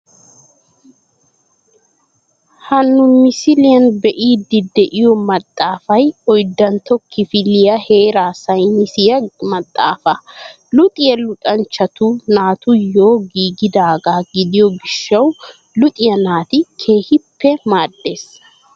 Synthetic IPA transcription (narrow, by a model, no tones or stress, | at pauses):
hɐnːʊmɪsɪlɪjɐnbɛʔiːd̪ɪd̪ɛʔɪjɔmɐt̪ʼːaːfɐjɔjd̪ːɐnt̪ɔkʰːɪfɪlɪjɐheːɾaːsɐjmɪsɪjɐmɐt̪ʼːa̰ːfɐ | lʊt̪ʼɪjɐlʊt̪ʼɐnt͡ʃːɐt̪unaːt̪ʊjo̞ːɡiːɡɪd̪aːɡaːɡɪd̪ɪjɔɡɪʃːɐw | lʊt̪ʼɪjɐnaːt̪ɪkʰe̞ːhɪpːɛmaːd̪ːe̞ːs